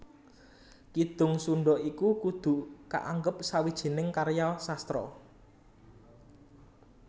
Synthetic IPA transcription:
kid̪̥ʊ̤ŋsuɳɖɔʔikukud̪̥ṳka̰ʔaŋɡəp̚sawid̥ʒ̥i̤nɪŋkaɾjasast̪ɾɔ̰

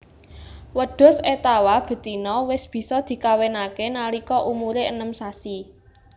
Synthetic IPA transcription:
wəɖ̥ɔ̤set̪awab̥ə̤t̪inɔwɪsb̥i̤sɔd̪̥i̤kawenakenalikɔʔumuɾeənəmsasi

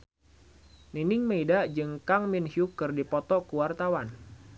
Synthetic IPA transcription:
ninɪŋmeidad͡ʒɨŋkaŋminhjukɨrdipɔt̪ɔkuwart̪awan

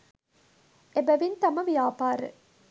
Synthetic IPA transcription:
ʔebæʋint̪ɐmɐʋijaːpaːɾḛ

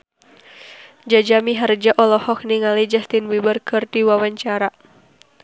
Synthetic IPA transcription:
d͡ʒad͡ʒamiɦard͡ʒaʔɔlɔhɔk̚niŋalid͡ʒast̪inwibərkʰɨrdiwawaɲt͡ʃaɾa

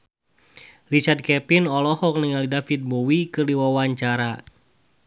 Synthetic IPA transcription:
lit͡ʃard̪̚kɛpinɔlɔhɔk̚niŋalidafit̪̚bowikɨrliwawaɲt͡ʃaɾa

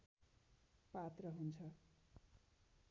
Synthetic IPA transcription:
pat̪rʌɦunt͡sʰʌ

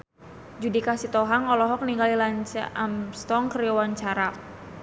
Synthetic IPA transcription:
d͡ʒudikasit̪ɔɦaŋɔlɔɦɔk̚niŋɡalilaɲt͡ʃa̰amst̪ɔŋkəɾiɔwaɲt͡ʃaɾa

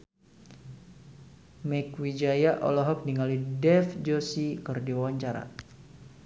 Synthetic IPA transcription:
mɛkwid͡ʒajaʔɔ̰lɔɦɔk̚niŋalidɛfd͡ʒɔsikɨrdiwawaɲt͡ʃaɾa̰

